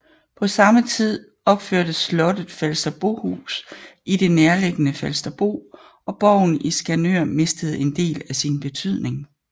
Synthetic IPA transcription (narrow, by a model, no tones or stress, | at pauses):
pʰɒ̽sɑ̈mət͡sʰið̞̰ˠ | ɒ̽b̥føɐ̰d̥əslɒ̽d̥əð̥̩ˠfelsd̥ɐb̥o̝̰ːhṵːsʔide̝neɐleɡ̥ənəfelsd̥ɐb̥o̝̰ː | ɒ̽b̥ɒʊ̰n̩isɡ̥ænøɐ̰me̝sd̥əð̞̩ˠe̝nd̥e̝̰ːlæsinb̥e̝t͡sʰyð̰ˠne̝ŋ